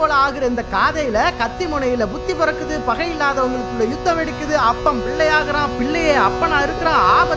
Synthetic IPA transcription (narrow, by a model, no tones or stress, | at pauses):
oːlɐaːɣɪɾɐɪnd̪ɐkaːðɐjɪlɐkɐt̪ːimʊɳɐjɪlɐbʊt̪ːipɔɾɐkːɯðɯpɐɣɐɪlːaːðɐʊŋɡɐɭɯkːʊɽɐjʊt̪ːɐʋɛɽɪkːɯðɯɐpːɐmpɪɭːɐjaːɣɐɾãːpɪɭːɐjeːɐpːɐnaːɪɾɯkːɯɾãːaːbɐ